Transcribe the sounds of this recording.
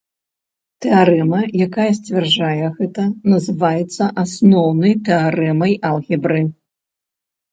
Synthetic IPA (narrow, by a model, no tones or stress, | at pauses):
t̪ɛaɾɛmɐjakajɐs̬ʲt͡sʲvʲard͡ʐajɛɣɛt̪ɐnɐzɨvajɛt̪sːɐʔasnɔwnɐjt̪ɛaɾɛmɐjalˠɣʲibɾɨ